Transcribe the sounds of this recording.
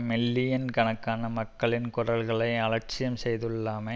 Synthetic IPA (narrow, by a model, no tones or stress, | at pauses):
mɪlːɪjɐnkɐnɐkːaːnɐmɐkːɐɭɪnkʊrɐlɣɐɭɐɪɐlɐɾt͡ʃːɪjɐmsɛjðɯɭːaːmɐ